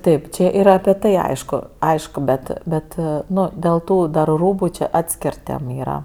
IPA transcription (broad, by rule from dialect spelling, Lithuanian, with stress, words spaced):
ˈtɐɪp t͡ʃʲɛ ˈiːrɐ ɐpʲɪ ˈtɐɪ ˈɐɪʃkʊ ˈɐɪʃkʊ bʲɛt ˈbʲɛt ˈnʊ dʲeːlˠ ˈtuː dɐr ˈruːbʊ t͡ʃʲɛ ˈɑːtʲsʲkʲɪr ˈtʲeːm ˈiːrɐ